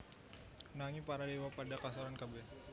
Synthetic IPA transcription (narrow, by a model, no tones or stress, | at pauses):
naŋipaɾadewapadakasoɾankabɛ